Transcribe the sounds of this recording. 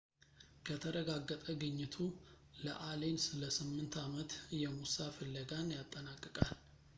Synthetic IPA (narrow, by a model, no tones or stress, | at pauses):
kʰət̪ʰəɾəɡaɡːət̪ʼəɡɨɲːɪt̪ʰu | lə̰ʔale̞nsɨləsɨmːɨnt̪ʰamət̪jɛmusafəlːəɡanjat̪ʼːənakʼːɨkʼal